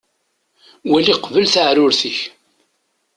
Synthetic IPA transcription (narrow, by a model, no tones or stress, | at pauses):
wæliqvəlθəʕɾʊɾθiç